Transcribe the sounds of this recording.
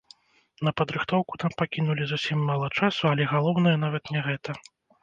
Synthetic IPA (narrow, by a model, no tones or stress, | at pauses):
nɐpɐd̪ɾɨxt̪ɔwku̥t̪ampakʲinulʲizusʲimːalˠɐt͡ʂasuɐlʲɛɣalˠɔwn̪ɨjɐnavɐt̪nʲɛɣɛt̪ɐ